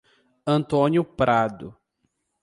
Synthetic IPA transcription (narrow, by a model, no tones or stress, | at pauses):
ɐ̃nt̪õnjʊpɾad̪ʊ